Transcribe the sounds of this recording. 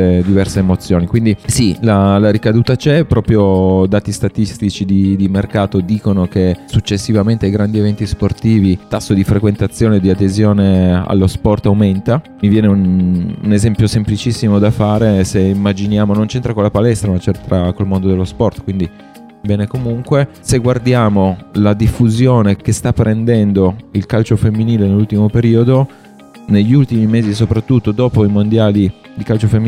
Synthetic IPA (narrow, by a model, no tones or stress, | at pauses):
ed̪ivɛrseːmot̪sːjoːnikwind̪isilalaɾikad̪uːt̪at͡ʃɛpːɾɔːpɾjod̪aːt̪ist̪at̪ist̪it͡ʃid̪id̪imerkaːt̪od̪iːkonok̟esut͡ʃːesːivament̪ejɡɾand̪ievɛnt̪isport̪iːvit̪asːod̪ifɾekwent̪at̪sːjoːned̪iad̪ezjoːnea̰lːospɔrt̪awment̪a | mivjɛːneunṵnezempjosemplit͡ʃisːimod̪afaːɾeseimːad͡ʒinjaːmonont͡ʃɛnt̪ɾakolapalɛst̪ɾamat͡ʃɛnt̪ɾakolmond̪od̪elːospɔrt̪kwind̪i | bɛːnekomuŋkwe | seɡward̪jaːmolad̪ifːuzjoːnekest̪apːɾʔend̪ɛnd̪oilkalt͡ʃofemːiniːlenelːult̪imopeɾiːod̪o | neʎːiult̪imimeːzis̬opɾat̪ːut̪ːod̪ɔːpoimond̪jaːli | d̪ikalt͡ʃofemːi